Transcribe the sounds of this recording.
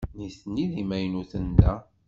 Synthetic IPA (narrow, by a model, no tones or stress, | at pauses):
niθniðimæjnuθənd̪æ